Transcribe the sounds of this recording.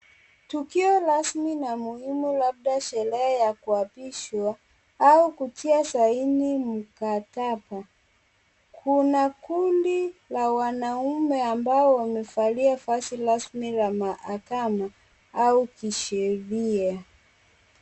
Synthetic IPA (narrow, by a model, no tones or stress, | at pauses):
tukiɔlasminamuhimulab̚ɗaʃɛɾɛajakuapiʃwa | aukutiasainim̩katapa | kʰunakundilawanaumɛambaɔwamɛfaliafasiɾasmilamaʔakama | aukiʃɛɾia